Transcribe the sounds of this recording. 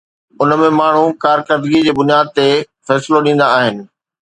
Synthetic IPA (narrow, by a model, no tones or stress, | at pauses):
ʊnmẽmaːɳ̤ukaːɾkəɾd̪ɡid͡ʑeːbʊnijaːd̪̚t̪e | fɛːsɪloɗĩːn̆d̪aːɦɪnɪ̆